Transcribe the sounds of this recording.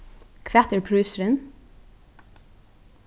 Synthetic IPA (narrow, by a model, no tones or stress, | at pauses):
kʰʋæt̪əɹpʰɹʉːsɹən